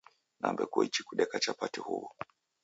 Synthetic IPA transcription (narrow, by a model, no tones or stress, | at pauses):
na̰mbɛkuit͡ʃikuɗɛkat͡ʃapatihuβɔ